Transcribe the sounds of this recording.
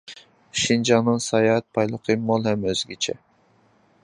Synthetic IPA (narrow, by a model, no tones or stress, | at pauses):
ʃind͡ʒɑŋnɨŋsɑjɑt̪̚pʰɑjlˠəqʰɨmːolˠhɛmøz̥ɡʲit͡ʃʰɛ